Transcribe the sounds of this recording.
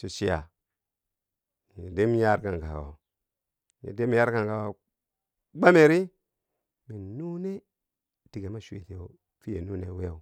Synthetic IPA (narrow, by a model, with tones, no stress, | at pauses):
su˨si˦ja̰˨ | ji˨de˦m˦ja˦ɾka˨ŋka˨wo̰˨ | jḭ˨de˦m˦a˦ɾka˨ŋka˨wo˨ | ɡ͡ba˦me˨ɾi˦ | mi˨nu˦ne˦ | di˨ɡe˨ma˦ʃwḛ˨te˨o˨ | fi˦je˨nu˦ne˦we˦˨